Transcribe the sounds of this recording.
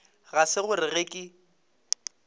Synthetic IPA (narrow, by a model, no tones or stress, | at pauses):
ɣasɪɣʊrɪɣekʼɪ